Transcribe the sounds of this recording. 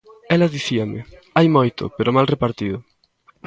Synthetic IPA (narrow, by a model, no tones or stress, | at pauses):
ɛlɐðiθiɐmɪ | ajmojt̪ʊ̰peɾʊmalrepaɾt̪iðʊ